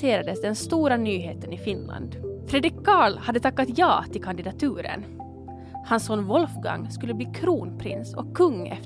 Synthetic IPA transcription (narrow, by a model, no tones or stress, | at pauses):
eːɾad̪əsd̪ɛnst̪uːɾanyːɦeːt̪ənɪfɪnla̰nd̪fɾɛd̪ɪkʰːɑːɭhad̪ːət̪ʰakːat̪jɑːt̪ʰɪlkʰand̪ɪd̪at̪ʰʉːɾə̰n | hansɔnvɔlfɡa̰ŋːskɵlːəbliːkʰɾuːnpʰɾɪ̰nsɔkʰːɵŋːɛ̰f